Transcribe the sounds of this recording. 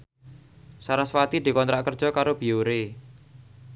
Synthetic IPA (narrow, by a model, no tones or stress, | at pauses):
saɾaswat̪id̪̥i̤kɔnt̪ɾaʔkərd͡ʒʒ̥ɔ̤kaɾob̥ioɾe